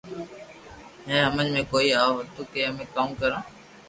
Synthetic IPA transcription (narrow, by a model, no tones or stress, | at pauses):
ɦɛ̃ːɦəmənmẽːkoːiːaːoɦt̪uːkeːɦəmẽːkaːmkəɾãː